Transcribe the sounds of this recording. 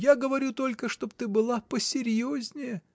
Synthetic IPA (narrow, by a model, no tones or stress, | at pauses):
jaɡəvɐɾʲut̪o̞lʲkəʂt̪o̞pt̪ɨbɨlˠapəsʲɪɾʲjozʲnʲɪjə